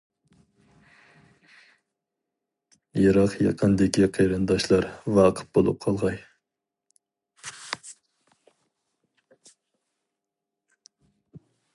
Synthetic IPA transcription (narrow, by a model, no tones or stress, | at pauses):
jɑɾɑqjɑ̰qʰənd̪ɪkʲiqʰɑjɾɨnd̪ɑʃlˠɑɾvɑqʰə̥t̪̚b̥olˠṵp̚qʰɑlˠʁɑj